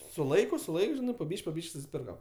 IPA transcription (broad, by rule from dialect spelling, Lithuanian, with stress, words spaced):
sʊ ˈlˠɐɪkʊ sʊ ˈlˠɐɪk ˈʒʲɪnɐɪ poː ˈbʲiːʃʲkʲ poː ˈbʲiːʃʲkʲ sʊsʲɪˈpʲɪrkɐm